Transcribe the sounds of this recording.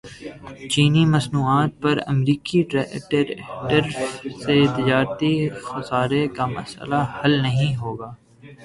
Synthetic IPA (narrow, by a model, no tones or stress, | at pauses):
t͡ʃiːnimɐsnuːaːt̪̚pɐɾə̰mɾiːkiʈeʈəɾʈəɾset̪ɪd͡ʒaːɾt̪ixɐsaːɾekamɐ̰sə̰lahɐlnɐɦĩɦoːɡaː